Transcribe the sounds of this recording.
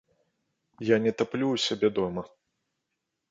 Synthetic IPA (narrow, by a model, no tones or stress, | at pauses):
janʲɛt̪aplʲuwsʲabʲɛd̪ɔmɐ